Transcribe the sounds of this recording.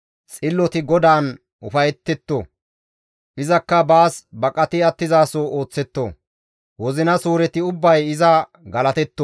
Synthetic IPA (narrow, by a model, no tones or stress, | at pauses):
t͡sʼɪlːɔt̪ɪɡɔd̪aːn | ʔʊfɐjɛt̪ːɛt̪ːo̰ | ʔɪzɐkːɐbaːsbɐkʼɐt̪ɪɐt̪ːɪzaːsoːʔo̞ːt͡sːɛt̪ːo̰ | wɔzɪnɐsuːɾɛt̪ɪʊbːɐjɪzɐ | ɡɐlɐt̪ɛt̪ːɔ